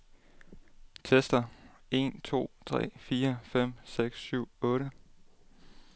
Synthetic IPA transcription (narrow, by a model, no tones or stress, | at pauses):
t͡sʰesd̥ɐe̝nt͡sʰo̝̰ːt͡sʰʁɛ̰ːfiːɐfem̰seɡ̥sːyʊ̰ɔ̽ːɾə